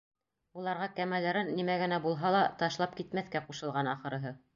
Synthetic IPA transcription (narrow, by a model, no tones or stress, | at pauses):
ulˠɑɾʁɑkæmælːæɾɘnːimæɡɘ̆næbulˠɦɑlˠɑt̪ɑʃlˠɑp̚kit̪mæθkæquʃɤ̆lˠʁɑnɑχɤ̆ɾɤ̆ɦɤ